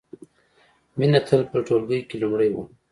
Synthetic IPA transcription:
minat̪ʰəlpəʈolɡəjkelumɽəjwṵ

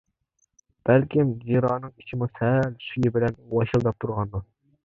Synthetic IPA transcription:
b̥ɛlkʲimd͡ʒiɾɑːnɨŋi̥t͡ʃʰimusælʃyjɪbɪlɛnwɑʃilˠd̪ɑp̚t̪ʰuɾʁɑnd̪u

